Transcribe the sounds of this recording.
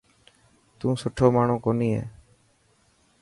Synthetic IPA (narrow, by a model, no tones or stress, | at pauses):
t̪ũːsʊʈʰoːmaːɳõːkoːniːɦḛː